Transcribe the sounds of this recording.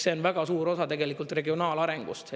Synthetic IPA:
se̞onvæɡ̥ɑsuːɾo̞sɑt̪e̞ɡe̞likˑult̪re̞ɡio̞nɑːlɑɾe̞ŋɡ̥ṵst̪

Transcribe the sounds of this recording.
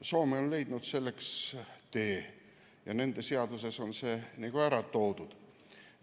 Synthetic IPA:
so̞ːmionle̞jd̪nud̪̥se̞lːe̞kst̪e̞ː | jɑne̞nd̪̥e̞se̞ɑd̪̥use̞so̞nse̞ːniɡ̥uæɾɑt̪ːˑo̞wd̪̥ud̪̥

